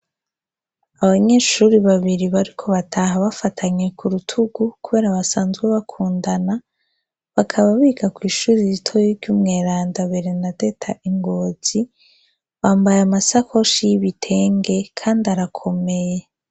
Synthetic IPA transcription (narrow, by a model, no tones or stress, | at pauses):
aβaɲe̞ʃuːɾiβaβiɾiβaɾikʰo̞βatʰaɦaβafatʰaɲe̞kʰuɾutʰuɡukuβe̞ːɾaβasaːnzɡweβakʰuːndana | βakʰaβaβiːɡakwiːʃuːɾizitʰojivɟuːmŋe̞ːɾaːndaβeɾe̞nate̞tʰaʔiŋɡo̞ːz̥i | βaːmbajamasako̞ʃijiβitʰe̞ːŋɡe̞kʰaːndaɾakʰo̞me̞je